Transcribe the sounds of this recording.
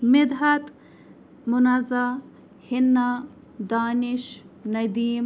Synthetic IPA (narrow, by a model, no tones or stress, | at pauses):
mɪd̪ɦɐt̪ | mʊnɐza | hɪnːa | d̪aːniʃnɐd̪iːm